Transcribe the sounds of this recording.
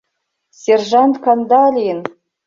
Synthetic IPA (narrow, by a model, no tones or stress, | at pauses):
sʲerʐɑnt̪kɑnd̪ɑlʲin